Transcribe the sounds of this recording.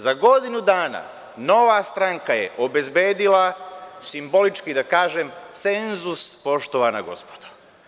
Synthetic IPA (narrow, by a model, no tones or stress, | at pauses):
zaɡo̞d̪inud̪aːna̰ | no̞ʋast̪ɾaŋkajeʔobe̞zbeːd̪ilasimbo̞lit͡ʃkid̪akaːʒemt̪senzuspo̞ʃt̪oʋanaɡo̞̰spo̥d̪̥o̥